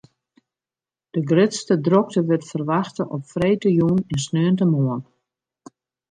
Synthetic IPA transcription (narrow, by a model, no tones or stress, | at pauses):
d̥əɡrɪtstədrɔk̚təʋɪtfərʋaxtəʔɔpfreːtəjuninsnøəntəmoən